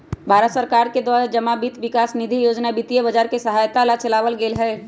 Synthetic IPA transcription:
bʱaːɾət̪səɾkaːɾked̪waːɾad͡ʒɐmabit̪ʋɪkaːsnɪd̪ʱijoːd͡ʒnabit̪ijəbɐd͡ʒaːɾkesɐɦaːjt̪alat͡ʃɐlaːʋəlɡeːlɦɛː

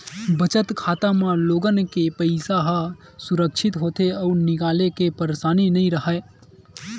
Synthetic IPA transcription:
bət͡ʃət̪kʰaːt̪amãloːɡənkepəɪsaɦa | suɾəkʃʰɪt̪ɦoːt̪eəːɾnɪkaːlekepəɾsaːninəĩɾəɦə

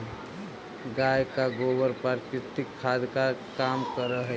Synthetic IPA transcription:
ɡajkaɡobəɾpaɾkɾɪt̪ikʰːad̪kakaːmkəɾəɦɛ

